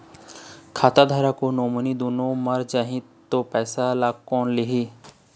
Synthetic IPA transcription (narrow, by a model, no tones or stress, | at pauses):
kʰaːt̪ad̪ʱaːɾakonoːmənid̪oːnõməɾd͡ʒaːɦĩt̪opɛːsalaːkɔːnlɪɦiː